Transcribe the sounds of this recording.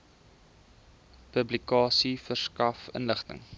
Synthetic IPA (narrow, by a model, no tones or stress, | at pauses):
pəblikɑːsifərskɐfə̰nləχtə̰ŋ